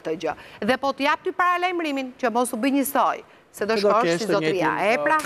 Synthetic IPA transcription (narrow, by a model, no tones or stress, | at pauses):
t̪əd͡ʒəðɛpɔt̪əjap̚t̪ypaɾalajmɾimint͡ɕəmɔsubiɲəsɔj | sɛd̪ɔʃɔsizɔt̪ɾia̰ɛpɾa